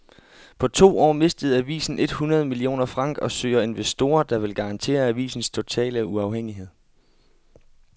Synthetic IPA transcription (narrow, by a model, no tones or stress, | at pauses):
pʰɒ̽t͡sʰo̝̰ːɒ̰ːme̝sd̥əð̩ˠæʋḭːsn̩e̝d̥hunɐð̞ˠmilio̝̰ːnɐfʁɑ̈ŋ̰ɡ̥ɒ̽sø̰ːɐe̝nʋesd̥o̝̰ːɐd̥ɑ̈ʋe̝lɡ̥ɑ̈ɑ̈nt͡sʰe̝̰ːɐæʋḭːsn̩st͡sʰo̝t͡sʰɛ̰ːləuɑ̈ʊɦeŋ̰iɦe̝ð̞̰ˠ